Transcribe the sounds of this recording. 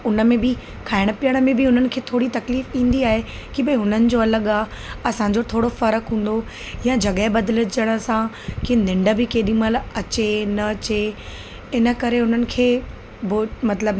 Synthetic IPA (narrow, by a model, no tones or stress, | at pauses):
ʊnə̆mẽbɪ | kʰaːɪɽ̃əpijəɽ̃əmẽbɪʊn̤ənɪ̆kʰeːt̪ʰoːɽit̪ɐkliːfĩːn̆d̪iaːɦe | kiɓɐ̃ɦʊn̤ənɪ̆d͡ʑoɐləɠaːɦ | ɐsãɲd͡ʑot̪ʰoːɽofɐɾəkɦũːn̆d̪o | jãd͡ʑʱɐɠəɪbɐd̪ələ̆d͡ʑəɽ̃ə̆sã | kinɪ̃ɳɖə̆bɪkeːɗĩːməlɐt͡ɕenɐt͡ɕe | ɪnə̆kɐɾeʊn̤ənɪ̆kʰeː | bomɐt̪ləb